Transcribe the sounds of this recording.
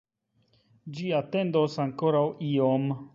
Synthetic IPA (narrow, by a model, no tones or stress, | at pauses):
d͡ʒiat̪endosaŋkoɾawʔiom